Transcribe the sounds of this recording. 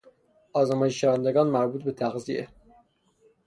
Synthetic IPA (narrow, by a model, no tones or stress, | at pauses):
ʔɒːzæmɒːjeʃʃævænd̪eɡɒːnmæɾbuːt̪̚ʰbet̪ʰæɣziḛ